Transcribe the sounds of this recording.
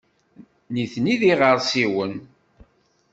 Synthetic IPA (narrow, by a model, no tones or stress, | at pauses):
niθniðiʁəɾˤsiwən